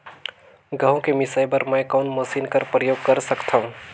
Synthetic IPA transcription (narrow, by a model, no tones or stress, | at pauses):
ɡəɦõkemɪsajbəɾməjkaːnməsiːnkəɾpɾəjoːɡ̚kəɾsəkt̪ʰaɦũ